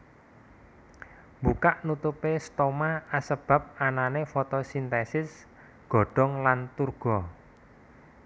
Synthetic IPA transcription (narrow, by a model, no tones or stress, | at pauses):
mbukaʔnut̪upest̪omaasəb̥ä̤p̚ananefɔt̪ɔsint̪ɛsɪs | ɡ̥ɔ̤ɖ̥ɔ̤ŋlant̪urɡ̥ɔ